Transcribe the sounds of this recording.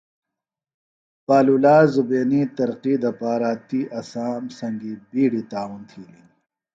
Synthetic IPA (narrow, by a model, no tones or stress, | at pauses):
paːlulaːzubeːnit̪ɐɾqid̪ɐpaːɾat̪iʔɐsaːmsɐŋɡibiːɽit̪aːwunt̪ʰiːli